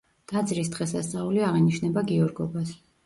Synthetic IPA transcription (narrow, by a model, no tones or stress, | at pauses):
d̪̥ad̪zʼɾisd̪ʁɛsast̪sʼauliaʁiniʃnɛbaɡiɔɾɡɔbas